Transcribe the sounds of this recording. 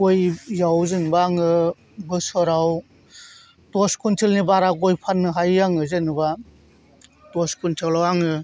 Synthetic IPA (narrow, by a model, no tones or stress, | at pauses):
ojjawzɯnbaːŋɯ | bɯsɔɾaw | tɔskʰuntʰilnibaɾakojpʰanːɯɦajaŋɯzɯnba | tɔskʰuntʰɯlawaŋɯ